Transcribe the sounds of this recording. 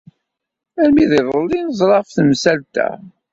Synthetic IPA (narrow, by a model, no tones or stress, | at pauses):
æɾmiðiðˤəlːinəzˤɾˤɑfθəmsælt̪æ̰